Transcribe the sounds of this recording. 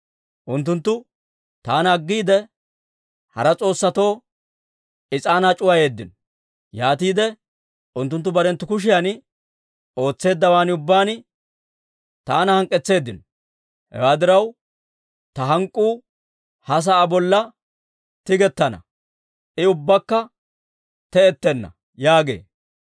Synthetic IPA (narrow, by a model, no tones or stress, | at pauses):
ʔʊnt̪̬ːʊnt̪ːʊ | t̪aːnɐɡːiːd̪ɛ | hɐ̰ɾɐt͡sʼo̞ːsːɐt̪o̞ː | ɪt͡sʼaːnat͡ʃʼʊwaje̞ːd̪ːɪn | jaːt̪iːd̪ɛ | ʔʊnt̪ːʊnt̪ːʊbɐɾɛnt̪ːʊkʊʃ̬ɪjan | o̞ːt͡sːe̞ːd̪ːɐwaːnɪʊbːaːn | t̪aːnɐhɐŋkʼːɛt͡sːe̞ːd̪ːɪn | hɛ̰waːd̪ɪɾɐw | t̪ɐɦɐŋkʼːuː | hɐs̬ɐːbɔlːɐ | t̪ɪɡɛt̪ːɐnɐ̰ | ʔɪʊbːɐkːɐ | t̪ɛɛt̪ːɛnːɐ̰ | jaːɡe̞̰ː